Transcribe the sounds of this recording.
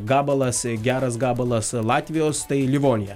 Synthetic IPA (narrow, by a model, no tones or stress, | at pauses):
ɡɑːbɐlˠɐsɡʲæːɾɐs̬ɡɑːbɐlˠɐslˠɑːt̪ʲʋʲɪjoːst̪ɐɪlʲɪʋoːnʲɪjɛ